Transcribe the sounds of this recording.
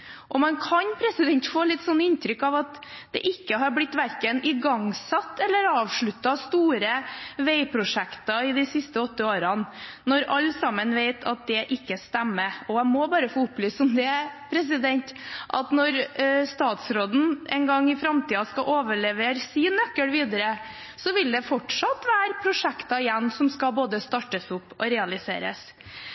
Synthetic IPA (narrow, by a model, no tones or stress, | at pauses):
ʔɔmɑnkʰɑnpʰɾɛsɪd̪ɛnt̪foːlɪt̪ːsɔnːɪnt̪ɾʏkːɑʋɑt̪d̪ɛ̰ʔɪkːəɦɑɾblɪt̪ːʋæɾkənɪɡɑŋsɑt̪ːɛlːəɾɑːʋʂɭʉt̪ːɑst̪uːɾəʋeɪpʰɾʊʂɛkt̪ɑɪd̪ɪsɪst̪əɔt̪ːəoːɾɑnnɔɾɑlːsɑmːənʋeɪt̪ʰɑ̰t̪̚d̪ɛʔɪkːəst̪ɛmːəɔæɪmɔbɑːɾəfoːʊplyːssɔmd̪ɛpʰɾɛs̬ɪd̪ɛnt̪ʔɑt̪nɔɾst̪ɑːt̪sɾoːd̪n̩ʔɛ̰ɪnɡɑŋːɪfɾɑmt̪iːɑskɑʔoːʋəɭɛʋeːɾsiːnœkːəlʋiːd̪əɾə | sɔʋɪld̪ɛfɔʈʂɑt̪ːʋæːɾpʰɾʊʂɛkt̪ɑɪjɛnːsɔmskɑboːd̪əst̪ɑʈːəsʊpːɔɾɛɑlɪsḛːɾə̰s